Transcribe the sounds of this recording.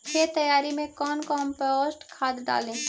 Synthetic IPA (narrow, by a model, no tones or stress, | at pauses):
pʰeɾt̪əjaːɾimẽkɔːnkɔːmpɔːsʈkʰaːd̪ːa̰ːlẽː